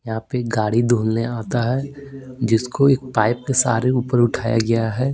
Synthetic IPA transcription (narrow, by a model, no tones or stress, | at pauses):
jɐɦãpeɡaːɽid̪ʱoːlneaːt̪aɦɛd͡ʒɪskoeːk̚paːɪp̚kesa̰ːɾeuːpəɾʊʈʰaːja̰ɡɐjaɦɛː